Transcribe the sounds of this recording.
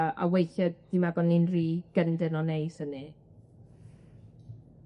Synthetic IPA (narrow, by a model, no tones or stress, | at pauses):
a̰wejθɛd̚d̥imaɡɔnːinriːɡ̥əndɪnɔnejsəni